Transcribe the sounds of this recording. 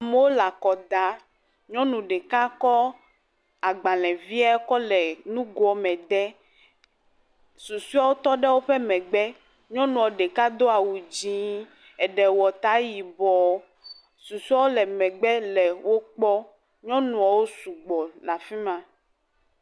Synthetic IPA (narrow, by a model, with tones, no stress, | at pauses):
a˨mɛ˦wo˦la˨kɔ˨d̪a˨ | ɲɔ̃˦nũ˨ɖɛ˨ka˦kɔ˦ | a˨ɡ͡ba˨lɛ̃˨vi˦a˦kɔ˦lɛ˨nũ˦ɡɔ˨mɛ̃˨d̪ɛ˦ | su˨su˦a˦wo˦t̪ɔ˦ɖɛ˦wo˦ɸɛ˦mɛ̃˨ɡ͡bɛ˦ | ɲɔ̃˦nũ˨ɔ˨ɖe˨ka˦d̪o˦a˨wu˨d͡ʑĩ˦ | ɛ˨ɖɛ˨wɔ˨t̪a˦ji˨bɔ˨ | su˨su˦a˦wo˦lɛ˨mɛ̃˨ɡ͡bɛ˦lɛ˨wo˦k͡pɔ˦ | ɲɔ̃˦nũ˨a˨wo˦su˨ɡ͡bɔ˨la˨fi˦mã˦